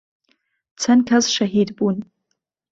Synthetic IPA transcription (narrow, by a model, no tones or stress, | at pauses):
t͡sʰankʲʰazʂaɦidbun